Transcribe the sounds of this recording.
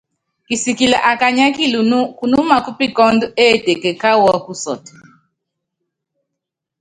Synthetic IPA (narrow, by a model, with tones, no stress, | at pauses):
ki˨si˨ki˨la˨ʔa˨ka˨ɲa˦ki˦lu˨nu˦ku˨nu˦ma˨ku˦pi˦kɔ˦ndu˦ɛ˦˨tɛ˨kɛ˨ka˦wɔ˦ku˦sɔ̰˨ti̥˨